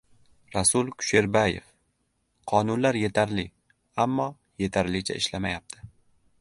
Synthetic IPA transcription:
ɾasʊlˠkʰʊ̥ʃe̞ɾbaje̞̰f | qʰɒnʊnlaɾje̞t̪ʰaɾlɪ | amːɒ | je̞t̪ʰaɾlɪt͡ʃʰa̰ɪʃlamajap̚t̪ʰɪ̥

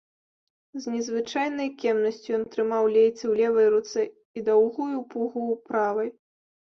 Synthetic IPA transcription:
znʲɛzvɨt͡ʂajn̪ɐjkʲɛmnɐsʲt͡sʲujɔnt̪ɾɨmawlʲejt͡sʲɛwlʲɛvɐjɾut̪sɛ | id̪awɣujupuɣupɾavɐj

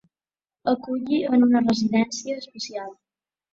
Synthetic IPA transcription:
əkuʎiənunərəziðɛnsiəːspəsialˠ

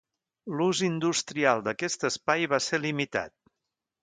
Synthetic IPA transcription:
luzind̪ust̪ɾialˠd̪əkɛst̪əspajβaselimit̪a̰t̪̚

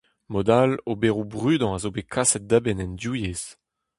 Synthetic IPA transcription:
mɔd̪alobeʁubʁyːd̪ɑ̃azobekʰasɛt̪̚d̪abɛnɛndjujez

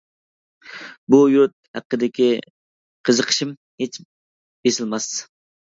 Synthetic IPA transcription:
bujuɾt̪̚hæqːəd̪ɪkʲi | qʰəzəqʰə̥ʃɪm | het͡ʃ | b̥esɪlmɑs

